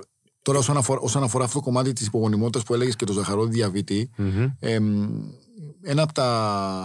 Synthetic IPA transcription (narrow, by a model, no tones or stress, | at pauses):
t̪o̞ɾɐo̞sɐnɐfoɾʔo̞sɐnɐfoɾɐːft̪ot̪oko̞mɐt̪it̪isipo̞ɣo̞nimo̞t̪it̪ɐspue̞leʝesce̞t̪o̞zɐxɐɾo̞ðiðʝɐvit̪iem | e̞nɐːpot̪ɐ